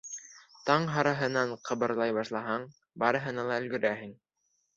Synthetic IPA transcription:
t̪ɑɴɦɑɾɑɦɤ̆nɑɴqʰɤ̆βɤ̆ɾlˠɑjbɑʃlˠɑɦɑɴ | bɑɾɤ̆ɦɤ̆nɑlˠɑɘ̆lɡɵ̆ɾæɦɘŋ

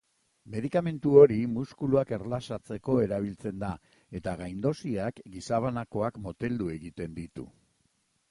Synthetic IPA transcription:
me̞ðikame̞nt̪uo̞ɾimuskuluake̞rlasat͡se̞ko̞e̞ɾaβ̞ilt͡se̞nd̪a | e̞t̪aɣajnd̪o̞siakɡisaβ̞anako̞akmo̞t̪e̞ld̪ue̞ɣit̪e̞nd̪it̪ṵ

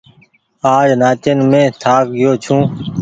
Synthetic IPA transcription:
aːd͡ʒnaːt͡ʃenmẽːt̪ʰaːkɡɪjoːt͡ʃʰũː

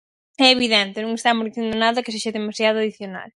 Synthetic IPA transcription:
ɛeβiðɛnt̪ɪnũŋest̪amozðiθjend̪onaðɐke̥seʃɐðemasjaðʊaðiθjona̰l

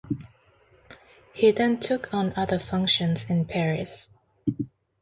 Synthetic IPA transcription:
hiðɨ̃ntʰʊkʰn̩ʌðəfʌ̃ŋkʃə̃nzɪ̃npʰɛɹɪs

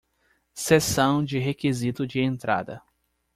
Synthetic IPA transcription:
sesɐ̃w̃d͡ʒɪɦekizit̪ʊd͡ʒɪẽnt̪ɾa̰d̪ɐ̰

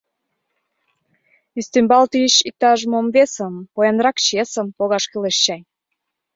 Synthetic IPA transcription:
yst̪ymbɑlt̪yəɕik̚t̪ɑʒmomvesə̆mpojɑnɾɑkt͡ɕesə̆mpoɣɑʃkeleʃt͡ɕɑj

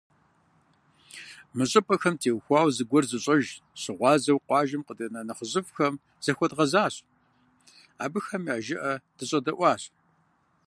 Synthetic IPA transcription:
mɨɕʼɪpʼɐxɐmtʰeːwxʷɑːwzɨɡʷɔrzɨɕʼɐʒɕɨʁʷɑːzɐwqʷɑːʒɪmqədɐnɐnɐχəʑʼɨfxɐm | z̥ɐxʷɔdʁɐzaːɕ | a̰ːbɨxɐmjaːʒɪʔɐd̥ɨɕʼɐdɐʔʷɑːɕ

